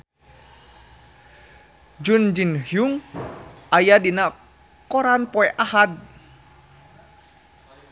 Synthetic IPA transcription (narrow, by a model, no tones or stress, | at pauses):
d͡ʒund͡ʒinhjuŋ | ʔajadina | kɔɾanpɔɛʔahad̚